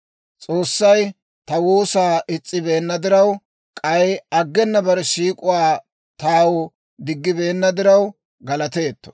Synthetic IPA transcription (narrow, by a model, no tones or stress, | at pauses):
t͡sʼo̞ːsːɐj | t̪ɐwuːsaːʔɪt͡sʼːɪbe̞ːnːɐd̪ɪɾɐw | kʼɐjɐɡːɛnːɐbɐɾɛʃiːkʼʊwaː | t̪aːwʊ | d̪ɪɡːɪbe̞ːnːɐd̪ɪɾɐw | ɡɐlɐt̪e̞ːt̪ːɔ̥̰